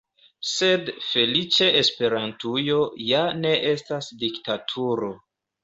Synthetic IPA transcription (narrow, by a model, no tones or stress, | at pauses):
se̞dfe̞lit͡ʃeʔespe̞ɾantujo̞jane̞ʔe̞stasdiktatʰuɾo̞